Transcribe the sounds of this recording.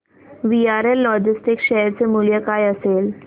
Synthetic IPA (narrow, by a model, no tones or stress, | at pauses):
ʋiaɾelːɔd͡ʑisʈikɕəɦəɾt͡semuljəkajəsel